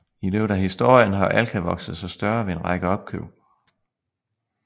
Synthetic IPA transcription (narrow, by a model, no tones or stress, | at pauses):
ile̝ʊd̥æɦisd̥o̝ɐ̰jənɦɑ̈ʔælkʰæʋɒ̽ɡ̥sð̩ˠsɒsd̥ɶɐʋe̝enʁɑ̈ɡ̥əɒ̽b̥̚kʰøʊ̰